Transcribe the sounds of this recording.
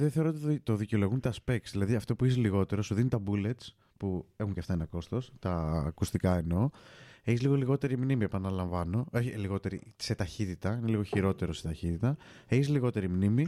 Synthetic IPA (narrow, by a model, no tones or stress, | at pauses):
ðeθeɾot̪t̪oðiceolo̞ɣunt̪ɐspek̚t̪sðilɐðiɐft̪o̞puis̬liɣo̞t̪e̞ɾo̞suðinit̪ɐbule̞t̪s | pue̞xuɲceft̪ɐenɐko̞st̪o̞st̪ɐːkust̪ikɐe̞no̞eçizliɣoliɣo̞t̪e̞ɾimnimiepɐnɐlɐɱvɐno̞eçiliɣo̞t̪e̞ɾise̞t̪ɐçit̪it̪ɐineliɣo̞çiɾo̞t̪e̞ɾo̞se̥t̪ɐçit̪it̪ɐe̞çiszliɣo̞t̪e̞ɾimnimi